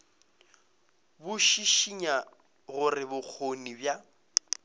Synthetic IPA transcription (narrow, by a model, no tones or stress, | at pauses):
bʊʃiʃiɲa | ɣʊrɪbʊk͡xʰonibja